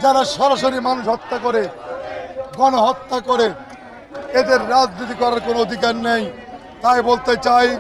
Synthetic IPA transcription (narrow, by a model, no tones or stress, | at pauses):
d͡ʑaɾaʃɔɾaʃoɾimanuʃɦɔt̪ːakoɾe | ɡɔnoɦɔt̪ːakoɾe | ed̪eɾːad͡ʑnit̪̬ikɔɾaɾkonood̪ʱikaɾnej | t̪ajbolt̪et͡ɕaj